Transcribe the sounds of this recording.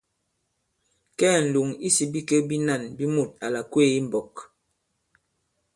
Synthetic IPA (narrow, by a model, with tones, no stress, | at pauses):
kɛː˦n̩˨lu˨ŋi˦si˨bi˦kə˦bi˦na˦˨nbi˦mu˦˨t̚a˨la˨kwe˦˨i˦m˨bɔ˨k